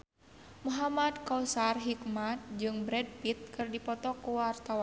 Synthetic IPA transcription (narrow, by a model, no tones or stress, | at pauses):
muɦamad̪kausarɦikmat̪̚d͡ʒɨŋbɾɛd̚pit̪̚kɨrdipɔt̪ɔkuwart̪awan